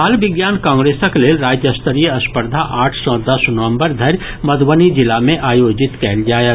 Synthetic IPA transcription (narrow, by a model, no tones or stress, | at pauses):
aːlbɪɡjaːnkãːŋɡɾeːsəkleːlɾaːd͡ʒjəst̪əɾijəɐspəɾd̪ʱaʔaːʈʰsɔ̃d̪ɐsnəʋə̃mbəɾd̪ʱɐɾj | məd̪ʋənid͡ʒɪlamẽʔaːjoːd͡ʒɪt̪kɛːld͡ʒaːje